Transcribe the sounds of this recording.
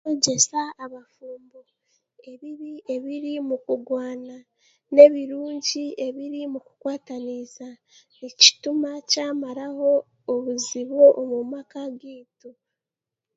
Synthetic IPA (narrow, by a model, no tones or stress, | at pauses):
oɟe̞saːβafuːmbo | e̞βiɾie̞βiɾimukuɡwaːna | ne̞βiɾuːɲɟie̞βiɾimuku̥kwaːtaniza | nici̥tumacaːmaɾaho̞ː | βuziβoʔomumakaɡiːtu